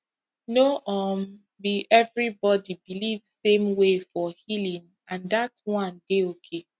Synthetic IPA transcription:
noʔɔm | biʔɛvɹibɔdibilivsẽmwefɔhilĩŋ | ãndatwɔ̃ndeokʰe

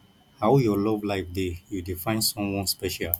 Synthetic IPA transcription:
haʊjɔlɔvlaɪfdejudifãɪ̃nsɔ̃mwɔ̃nspɛʃal

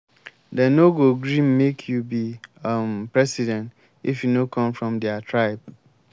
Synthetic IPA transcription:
dɛ̃noɡoɡɾĩmmekʰjubimpɹɛsidɛ̃nt | ifjunokʰɔ̃mfɹɔ̃mdɛatʰɹaɪb̚

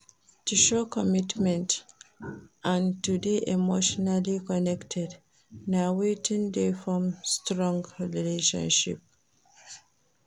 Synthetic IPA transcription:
tuʃɔkɔmitmɛ̃nt | ʔãntudeʔemoʃɔnalikɔnɛktʰɛd | nawetĩndefɹɔ̃mstɹɔ̃ŋɡɹɹileʃɔ̰̃nʃḭp̚

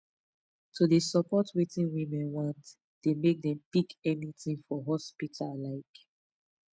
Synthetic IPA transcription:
tʰudesɔpɔtwetĩnwimɛ̃nwãnt | d̥emek̚dɛ̃mpikɛnitĩŋfɔɦɔspitʰallaɪk

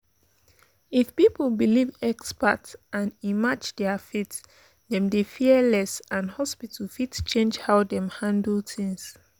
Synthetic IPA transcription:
ifpipl̩bilivɛkspatãnimad͡ʒdɛəfit | dɛ̃mdefiəlɛsãnhɔspitʰəl̩fitt͡ʃẽnd͡ʒhaʊdɛ̃mhãndl̩tʰĩŋs

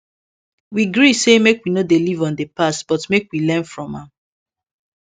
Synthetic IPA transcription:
wiɡɹisemekwinodelivɔ̃ndepastb̥ɔtmekwilɛ̃nfɹɔ̃mãm

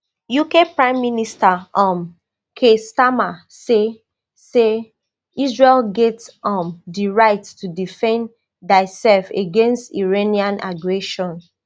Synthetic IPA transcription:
jukepɹãɪ̃mːinistaʔɔ̃m | kʰestama | se | se | isɹelɡɛtɔ̃mdiɹaɪttudifɛ̃n | daɪsɛlfeɡẽnstiɹeniãnʔaɡɹɛʃɔ̃n

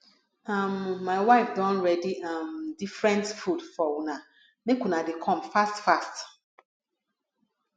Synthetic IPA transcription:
amːaɪwaɪfdɔ̃nɹɛdiʔamdifɹɛ̃ntfudfɔwna | mekunadekʰɔ̃mfastfast

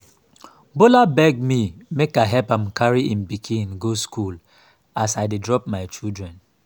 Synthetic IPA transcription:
bolabɛɡ̚mimekaɪɦɛpãmkaɹiĩnbikʰĩnɡoskul | asaɪdedɹɔpmaɪt͡ʃildɹɛ̃n

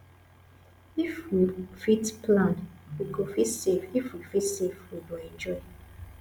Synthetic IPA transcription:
ifwifitpʰlãnwiɡofitsefifwifitsefwibiɛ̃nd͡ʒɔɪ

